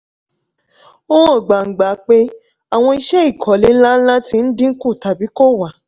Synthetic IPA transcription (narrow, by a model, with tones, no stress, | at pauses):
o˦o˦˨ɡ͡ba˨ŋ̩˨ɡ͡ba˨˦k͡pe˦ | a˨w̃ɔ̃˧i˧ʃɛ˦i˦˨kʰɔ˨˦le˨˦la˦lã˦tĩ˧n̩˦dĩ˦ŋ̩˦kũ˦˨ta˨bi˨˦ko˦wa˨